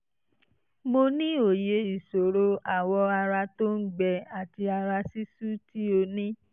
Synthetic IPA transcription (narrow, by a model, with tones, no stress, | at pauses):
mo˧nĩ˦o˨je˨˧i˨so˨ɾo˧a˨wɔ˧a˧ɾa˧to˦n̩˦ɡ͡bɛ˧a˨ti˧a˧ɾa˧si˦su˦ti˦o˧nĩ˦